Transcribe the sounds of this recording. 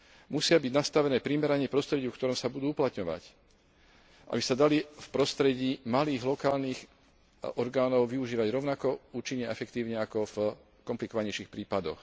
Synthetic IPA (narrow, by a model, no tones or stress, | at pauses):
musɪabiɟnast̪aʋɛnɛːpɾimɛɾaɲɪɛpɾɔst̪ɾɛɟiufkt̪ɔɾɔːmsabud̪uːuplat̪ɲɔʋa̰c | ʔa̰bisad̪alifpɾɔst̪ɾɛɟiːmaliːɣlɔkaːlniːx | ɔɾɡaːnɔʊʋiuʒiːʋaɟɾɔʊnakɔuːt͡ʃiɲːɛɛfɛkt̪iːʊɲɛakɔv | kɔmplikɔʋaɲɛjʃixpɾiːpad̪ɔ̰x